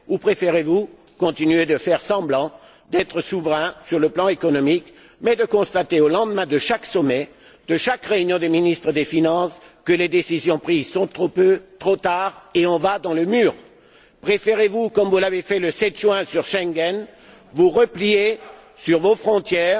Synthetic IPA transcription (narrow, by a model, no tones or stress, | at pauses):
upχefeʁevu | kɔ̃t̪inyed̪əfɛʁsɑ̃blɑ̃ | d̪ɛt̪χəsuvʁɛ̃syʁləplɑ̃ekɔnɔmik | mɛd̪əkɔ̃st̪at̪eolɑ̃d̪mɛ̃d̪əʃaksɔmɛ | d̪əʃakʁeynjɔ̃d̪eminist̪χəd̪efinɑ̃skəled̪esizjɔ̃pχizsɔ̃t̪χopøt̪χot̪aʁeɔ̃vad̪ɑ̃ləmyːʁ | pχefeʁevukɔmvulavefɛləsɛt̪ʒɥɛ̃syʁʃɛ̃ŋɡɛn | vuʁəplije | syʁvofχɔ̃t̪jɛːʁ